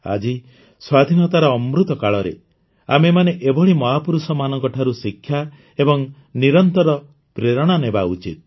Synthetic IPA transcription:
a̰d͡ʒi | swad̪ʱinɔt̪aɾɔːmɾut̪ɔkaɭɔɾḛ | a̰memaneʔebɔɭimɔɦapuɾusɔmanɔŋkɔʈʰaɾusikʰːja | ebɔŋ | niɾɔnt̪ɔɾɔ | pɾeɾɔɽ̃anebaut͡ʃit̪̚

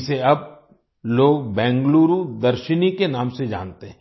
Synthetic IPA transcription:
seɐb̚ | loːɡbɛ̃ːŋɡluːɾud̪ɐɾʃənikenaːmsed͡ʒa̰ːnt̪eɦɛ̃

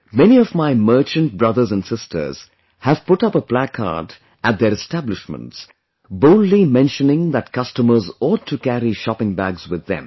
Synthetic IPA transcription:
mɛniɔvmaɪmɜ˞t͡ʃɨ̃nt̚bɹʌðə˞zæ̃nsɪstʰə̰˞z̥ | hæv̥pʊʈʌpəplækʰɑ̰d | æt̚d̪əɾɨstæblɪʃmə̰̃nts | boʊlˠdlimɛ̃nʃənɪ̃ŋðæt̚kʌstəmə˞zɔttʰːukæɾiʃɑpɪ̃ŋbæɡz̥wɪðːɛ̰̃m

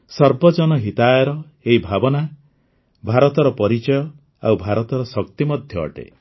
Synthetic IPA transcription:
sɔɾbɔd͡ʒɔnɔɦit̪ajɔɾɔ | eɦibʱabɔna | bʱaɾɔt̪ɔɾɔpɔɾit͡ʃɔjɔ | a̰wbʱaɾɔt̪ɔɾɔsɔk̚t̪imɔd̪ʱjɔɔ̰ʈḛ

